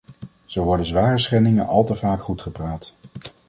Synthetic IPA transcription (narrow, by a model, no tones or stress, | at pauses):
z̥owʋɔɹdənzʋaːrəsχɛnɪŋənɑlˠtəvaːkχutχəpraːt